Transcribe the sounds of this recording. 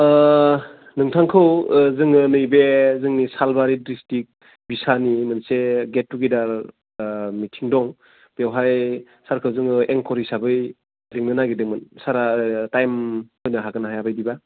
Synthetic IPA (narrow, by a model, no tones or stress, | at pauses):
nɯŋtʰaŋkʰɯwzɯŋɯnɯjbezɯŋnisalbaɾidɾistik̚ | bisanimɯnseɡet̚ːuɡidaɾ | mitʰiŋdɔŋ | b̥ewɦaj | saɾkʰɯwzɯŋɯeŋkʰɔɾisabɯj | ɾiŋnɯnaɡidɯŋmɯnsaɾatajmhɔjnɯɦaɡɯnaɦajabajdiba